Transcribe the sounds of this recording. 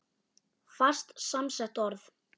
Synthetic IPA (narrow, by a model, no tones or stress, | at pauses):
far̥st̪samsɛht̪ɔɾθ